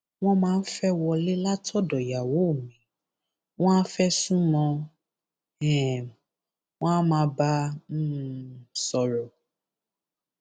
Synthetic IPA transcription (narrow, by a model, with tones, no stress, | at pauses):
w̃ɔ̃˦mãː˨˦˧n̩˦fɛ˦wɔ˧le˦la˦tʰɔ˦dɔ˨ja˨wo˨˦˨mĩ˨˦ | w̃ɔ̃˦a˦fɛ˦sũ˦mɔ̃˧ | ɛ̃˨ | w̃ɔ̃˦a˦mãː˨˦ba˦ | sɔ˨ɾɔ˨